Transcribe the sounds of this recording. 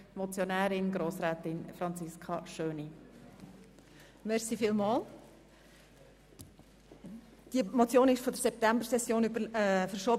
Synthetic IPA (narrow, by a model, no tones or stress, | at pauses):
mɔt͡sjonæːɾɪnɡɾoːsɾɛːt̪ɪnfɾɑnt͡sɪskʰɑʃøːni | mɛɾsifiːlmɑːl | d̥iəmot͡sjoːnɪʃfɔdəɾsɛp̚tæmbəɾsɛsjoːnybəfəɾʃɔː